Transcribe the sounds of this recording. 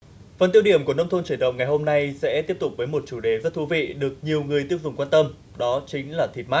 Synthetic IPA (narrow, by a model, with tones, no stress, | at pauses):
fə˨˩nt̪i˧əwɗi˧˩əmku˧˩ənə˧wŋ͡mt̪o˧nt͡ɕi˧˩nɗə̰˧˨wŋ͡mŋa˨˩jɦo˧mna˧jsɛ̰˧˥t̪i˦˥əp̚t̪ʊ˨˩k͡p̚vəː˨˦jmo˨˩t̚t͡ɕu˧˩ɗe˨˦zə˦˥t̚t̪ʰu˨˦vḭ˧˨ɗɨ˨˩ək̚ɲi˨˩əwŋɨ˨˩əjt̪i˦˥əp̚zʊ˨˩ŋ͡mkwaː˧nt̪ə˧m | ɗɔ˨˦t͡ɕi˨˦ŋ̟laː˨˩t̪ʰi˨˩t̚maː˦˥